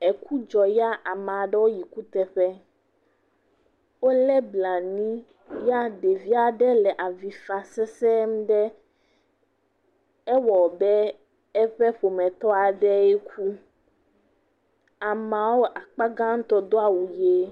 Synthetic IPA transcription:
e˨ku˦d͡ʒɔ˨ja˦ʔa˨mã˨ɖɛ˦wo˦ji˨ku˦t̪ɛ˦ɸɛ˦ | wo˦lɛ˦bla˨nĩ˦ | ja˦ɖe˨vi˦a˨ɖɛ˦lɛ˨ʔa˨vi˨fa˨sɛ˦sɛ˦m˦ɖɛ˦ | ɛ˦wɔ˨bɛ˦ | ɛ˦ɸɛ˦ɸo˨mɛ̃˨t̪ɔ˦a˨ɖɛ˦e˦kʰu˦ | a˨mã˨wo˦ʔa˨k͡pa˦ɡã˦ŋ̩˦t̪ɔ˦d̪o˦a˨wu˨je˦

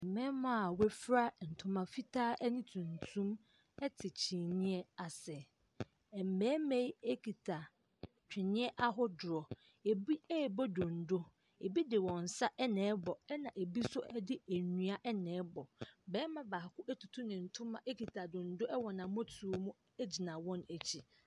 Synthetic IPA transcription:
m̩˨mɛ̃ː˦mã˦˨wɛ˦fɾa˦n̩˨tʰʊ̃˦mã˨fi˦tʰaː˦ʔɛ˦nɪ̃˦tʰũ˨n˨tʰũ˦m | ɛ˦tʰɪ˨t͡ɕʰĩ˨nɪ̃˦ɛ˦a˨sɛ˨ | ɛ˨m̩˨mɛ̃ː˦mẽ˦je˦kʰi˨tʰa˨ | t͡ɕᶣɪ˨nɪ̃˦ɛ˦ʔa˦ɦʊ˦dʊ˨ɾɔ˨ | e˨bi˦ɛ˦˨bɔ˦dʊ̃˨n̩˨do˦ | e˨bi˦dɪ˨wɔ̃˨n̩˨sa˦ʔɛ˦nɛ̃˨˦bɔ˨ɛ˦nã˨ʔe˨bi˦sʊ˦ʔɛ˦dɪ˦æ˨nũ˦a˦ʔɛ˦nɛ̃ː˨˦bɔ˨bɛː˦mã˦baː˨kʊ˦ʔɛ˦tʰu˨tʰu˦nɪ̃˨n̩˨tʰʊ̃˦mã̰˨ʔe˦kʰi˨tʰa˨dʊ̃˨n̩˦dʊ˦ʔɛ˦wɔ˨nã˨˦mɔ˦tʰu˨o˨mũ˦ | æ˦d͡ʑi˨nã˨wɔ̃˦næ˨t͡ɕʰi˨

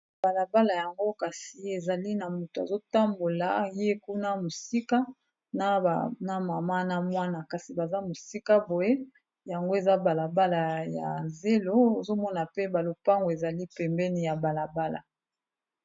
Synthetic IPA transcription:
ba˨la˨ba˦la˨ja˨ŋɡo˦ka˨si˨e˨za˨li˦na˨mu˨to˨a˨zo˦ta˦mbo˨la˨˦je˦ku˦na˦mo˨si˦ka˦ | na˨na˨ma˨ma˦na˨mwa˦na˨ka˨si˨ba˨za˦mo˨si˦ka˦bo˨je˦ | ja˨ŋɡo˦e˨za˦ba˨la˨ba˦la˨ja̰˨ze˦lo˦o˨zo˦mɔ˦na˨pe˦ba˨lo˨pa˦ŋɡo˨e˨za˨li˦pɛ˨mbɛ˦ni˨ja˨ba˨la˨ba˦la̰˨

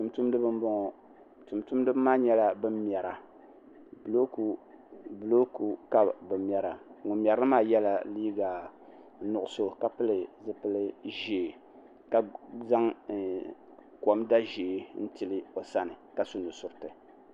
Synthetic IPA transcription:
tu˨mtu˦mdɨ˦bɨ˦mbɔ˦ŋɔ˨ | tu˨mtu˦mdɨ˦bmaː˦ɲɛ˦la˦bɨ˦mm˦ɛ˨ɾa˨ | blo˦kblo˦ku˨ka˦bbɨ˨mm˦ɛ˦ɾa˨ŋʊ˨mjɛ˨ɾɨ˦ɨ˦maː˦˨jɛ˦la˨liː˦ɡa˨ | nʊ˨ʔʊ˦so˦ka˨pɨ˦lɨ˨zɨ˦pɨ˦lɨ˦ʒeː˨ | ka˨za˦ŋ | kɔ˨mda˦ʒeː˨˦n̩˦ti˨lɨ˦o˨sa˦nɨ˨ka˨sʊ˦nu˨sʊ˨ɾɨ˦tɨ˨

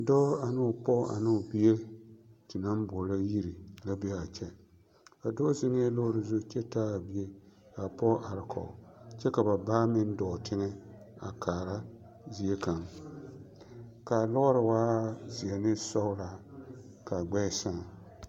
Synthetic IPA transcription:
dɔ˦a˨nɨ˦ʊ˨pɔ˦a̰˨nɪ˦ʊ˨bi˦e˦tɪ˨na˦m˦bɔ˨la˦ji˦ɾi˨la˦bɛ˦a˨t͡ʃɛ˦ | a˨dɔ˦zɪ˦ŋe˦lɔ˦ɾɨ˨zʊ˦t͡ʃɛ˦taː˦a˨bi˦e˦ka˨pɔ˦ʔa˨ɾɪ˨kʰɔ̰˨t͡ʃɛ˦ka˨ba˨baː˦mɪ˦n˦dɔ˨tʰɪ˦ŋɛ˦ | a̰˨kʰaː˨ɾa˦ | zi˨˦e˦ka˨m | ka˨lɔ˦ɾɪ˨waː˦zi˨ɛ˨nɪ˦sɔ˦ʊ˦la˨ | ka˨ɡ͡bɛ˦sa˦˨

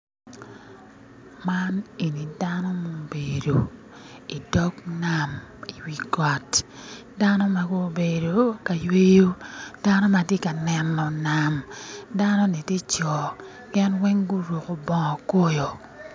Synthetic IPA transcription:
ma˦ne˨ni˨da˦nɔ˦mo˦be˨do˨ | i˨dɔ˦ɡna˨mi˨wi˨ka˨t | da˦nɔ˦ma˨ɡo˦be˨do˨ka˨jwe˦jo˦d̥a˦nɔ˦ma˨tje˦ka˨nɛ˨nːɔ˨na˨mda˦nɔ˦ni˨te˦t͡ʃɔ˨ | kɛ˦nwɛ˦ŋɡu˦ɾo˨ko˨bɔ˦ŋɔ˨ko˦jo˨

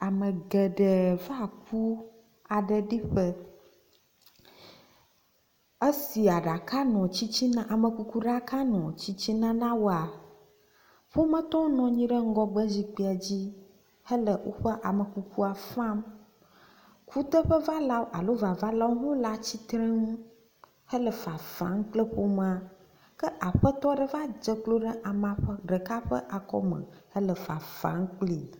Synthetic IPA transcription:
a˨mə̃˨ɡɛ˨ɖə˨va˦k̚ʰu˦ | a˨ɖə˨ɖi˦ɸə˦ | ə˦si˨a˨ɖa˨ka˦nɔ̃˨t͡ɕi˦t͡ɕi˦nã˦ʔa˨mə̃˨ku˨ku˦ɖa˨ka˦nɔ̃˨t͡ɕi˦t͡ɕi˦nã˦nã˦wo˦a˨ | ɸo˦mə̃˦t̪ɔ̃˦nɔ̃˨ɲĩ˦ɖə˦ŋ̩˦ɡɔ˦ɡ͡bə˦zi˨k͡pi˨˦a˨d͡ʑi˦ | hə˦lə˨wʔo̰˦ɸə˦ʔa˨mə˨ku˦ku˦a˨fã˦m | ku˦t̪ə˦ɸə˦va˦la˦ʔa˨lo˦va˨va˦la˦wo˦ɦõ˦la˦t͡ɕi˦t̪ɾə̃˦ŋũ˦ | hə˦lə˨fa˨fã̰˨˦ŋ˦k͡plə˦ɸo˦mã˨ | kə˦ʔa˨ɸə˦t̪ɔ˦ɖə˦va˦d͡ʒə˦klo˦ɖə˦ʔa˨mã˨ɸə˦ɖə˨ka˦ɸə̰˦ʔa˨kɔ̰˦mə̰̃˨ə˦lə˨fa˨fã̰˨˦ŋ˦k͡pli˨

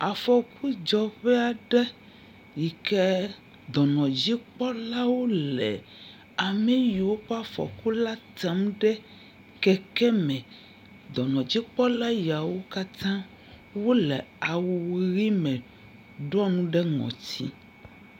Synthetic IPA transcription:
a˨fɔ˨kʰu˦d͡ʒɔ˨ɸɛ˦a˨ɖɛ˦ | ji˨kɛ˦ | d̪ɔ˨nɔ̃˨d͡ʑi˦k͡pɔ˦la˦wo˦lɛ̰˨ | a˨mɛ˦ji˨wo˦ɸe˦a˦˨fɔ̰˨ku˦la˦t̪a˨˦mɖɛ˦ | kɛ˨kɛ˦mɛ̃˨ | d̪ɔ˨nɔ̃˨d͡ʑi˦k͡pɔ˦la˦ja˨wo˦ka˦t̪ã˦ | wo˦lɛ˨a˨wu˨ɣi˦mɛ̃˨ | ɖɔ˦nũ˦ɖɛ˦ŋɔ̰̃˨t̪ʰḭ˦

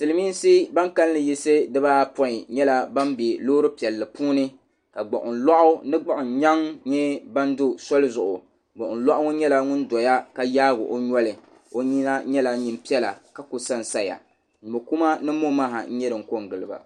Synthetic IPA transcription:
tɨ˨lɨ˨miː˦n˦si˦ba˦ŋka˦lːɨ˨ji˦sɨ˦dɨ˦baː˦pɔ˦ɪ˨ɲɛ˦la˦ba˦mbe˨loː˦ɾɨ˦pi˨ɛ˨lːɨ˨pʰuː˦nɨ˦ | ka˨ɡ͡bɔ̰˨ʔʊ˨n˨la˦ʔʊ˦nɨ˦ɡ͡ba˦ʔʊ˨n˨ɲa˦ŋɲɛ˦ba˦ndʊ˦sɔ˦lɨ˦zʊ˨ʔʊ˨ | ɡ͡bɔ˨ʔʊ˨n̩˨˦la˦ʔʊ˦ɲɛ˦la˦ŋʊ˦n˦dɔ˨ja˦ka˦jaː˦ɡʊ̰˨ʔo˦ɲɔ˦lɨ˨ | o˦ɲi˦na˦ɲɛ˦la˨ɲi˨m˦pi˦ɛ˦la˨ka˦kʊ˨sa˦n˨sa˦ja̰˨ | bo˨ku˦ma˦nɨ˦mo˦ma˦˨ɦa˨n̩˦ɲɛ˦dɨ˨ŋ̩˨ko˦ŋɡɨ˨lɨ˨ba̰˨

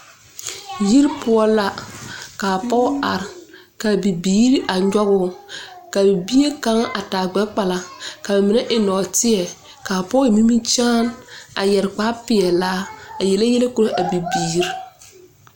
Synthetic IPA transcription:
ji˦ɾpʊ˦ɔ˦la˦kaː˨pɔ˦a˨ɾɪ˨ | ka˨bi˨biː˦ɾi˦ʔa˨ɲɔ˦ɣʊ˦ka˨bi˨bi˦e˦ka˦ŋ˦ʔa˨taː˨ɡ͡bɛ˨˦k͡pa˨la˨ka˨ba˨mi˨nɛ˦ʔɪ˨nɔː˨tɪ˦ɛ˨ | ka˨pɔ˦i˨mi˦mi˦t͡ʃaː˦na˨jɛ˨ɾk͡paː˦pɪ˨ɛ˨laː˦a˨jɛ˨la˦jɛ˦le˦ko˦ɾo˦ʔa˨bi˨biː˨ɾi˦

